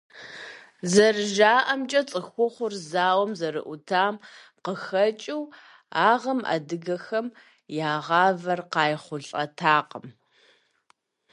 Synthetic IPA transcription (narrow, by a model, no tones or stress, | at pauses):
zɐrɨʒaːʔɐmt͡ʃʼɐt͡sʼɨxʷʊχʷʊrzaːwɐmzɐɾɨ̰ʔʷʊtʰaːm | qəxɐt͡ʃʼɪw | aːʁɐma̰dɨɡɐxɐm | jaːʁɑːvɐrqɑːjχʷʊɬʼɐ̰tʰaːqəm